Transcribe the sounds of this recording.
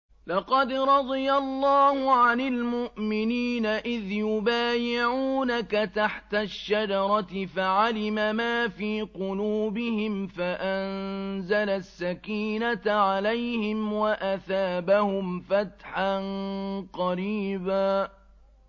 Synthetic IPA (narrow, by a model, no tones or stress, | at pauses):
lɑqɑd̪ɾˤɑd̪ˤɨjalˤːɑːhʊʕanɪlmʊʔmɪniːnaʔɪðjʊbaːjɪʕuːnakat̪aħt̪aʃːad͡ʒɑɾˤɑt̪ɪfaʕalɪmamaːfiːqʊluːbɪhɪmfaʔanzalasːakiːnat̪aʕalajhɪmwaʔaθaːbahʊmfat̪ħanqɑɾiːbaː